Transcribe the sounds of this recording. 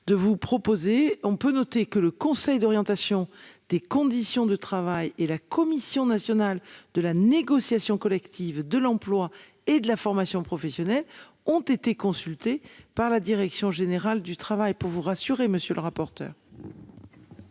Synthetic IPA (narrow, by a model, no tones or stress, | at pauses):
d̪əvupχɔpozeɔ̃pønɔt̪ekələkɔ̃sɛjd̪ɔʁjɑ̃t̪asjɔ̃d̪̥ekɔ̃d̪isjɔ̃d̪ət̪χavajelakɔmisjɔ̃nasjɔnald̪əlaneɡɔsjasjɔ̃kɔlɛkt̪ʰivd̪əlɑ̃plwa | ed̪əlafɔʁmasjɔ̃pχɔfɛsjɔnɛl | ɔ̃t̪et̪ekɔ̃sylt̪epaʁlad̪iʁɛksjɔ̃ʒeneʁald̪yt̪χavajpuʁvuʁasyʁeməsjøləʁapɔʁt̪œ̰ːʁ